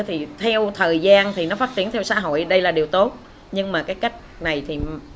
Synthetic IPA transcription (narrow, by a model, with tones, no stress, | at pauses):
t̪ʰi˨˩t̪ʰɛ˧wt̪ʰəː˨˩jzaː˧nt̪ʰi˨˩nɔ˨˦faː˦˥t͡ɕi˧˩ənt̪ʰɛ˧wsa̰ː˧˥ɦo̰˧˨jɗə˧jlaː˨˩ɗi˨˩wt̪o˦˥t̚ | ɲɨ˧ŋmaː˨˩kaː˨˦jka˦˥jk̟̚na˨˩jt̪ʰi˨˩